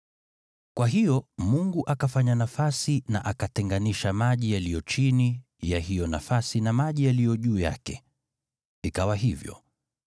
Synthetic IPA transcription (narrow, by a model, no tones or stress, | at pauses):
kwaɦijɔmuŋɡuʔakafaɲanafasinaʔakatɛŋɡaniʃamaʄijalijɔt͡ʃini | jaɦijɔnafasinamaʄijalijɔʄuːja̰kɛ | ikawaɦivjɔ̰